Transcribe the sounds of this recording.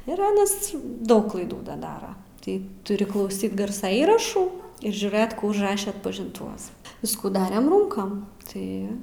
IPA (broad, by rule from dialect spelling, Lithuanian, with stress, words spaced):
ɪr ˈɑːnɐs ˈdɐʊk klˠɐɪˈduː ˈdɐ ˈdɑːrɐ ˈtɐɪ tʊˈrʲɪ klˠɐʊˈsʲiːt ˈɡɐrsɐ ˈiːrɐʃuː ɪr ʒʲuːˈrɘt kuː ʊʒˈrɑːʃʲɛ ɐtpɐʒʲɪnˈtʊʋɐs ˈʋʲɪskuː ˈdɑːrʲɛm ˈruːŋkɐm ˈtɐɪ